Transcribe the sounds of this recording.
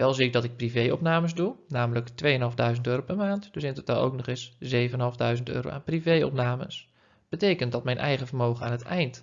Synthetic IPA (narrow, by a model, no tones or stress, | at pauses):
ʋɛlˠziɪk̚dɑtɪk̚privejɔ̰pnaːməzdunaːmələktʋejənɦɑlˠvdœɥzəntøːrowpɛɹmaːntdɵsɪnətota̰lˠo̰wknɔχɪszejvənənɦɑlˠvdœɥzəntø̰ːɾo̰wʔa̰ːnprivejɔ̰pnaːmə̰s | b̥ətejkəntdɑtmɛjnʔɛ̰jχəvərmowχəna̰ːnətɛjnt